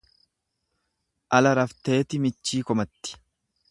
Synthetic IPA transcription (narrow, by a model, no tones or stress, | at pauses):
ʔɐlɐɾɐft̪e̞ːt̪ɪmɪt͡ʃːiːkɔmɐt̪ːɪ̥